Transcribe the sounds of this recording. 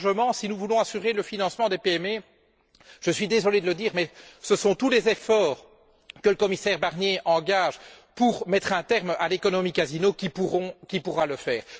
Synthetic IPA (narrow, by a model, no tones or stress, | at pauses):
ʒəmɑ̃sinuvulɔ̃asyʁeləfinɑ̃smɑ̃d̪epeɛme | ʒ̥əsɥid̪ezɔled̪ələd̪iːʁmɛsəsɔ̃t̪ulezefɔːʁ | kələkɔmisɛʁbaʁnjeʔɑ̃ɡaʒ | puʁmɛt̪χɛ̃t̪ɛʁmalekɔnɔmikazinokʲipuʁɔ̃kʲipuʁaləfɛːʁ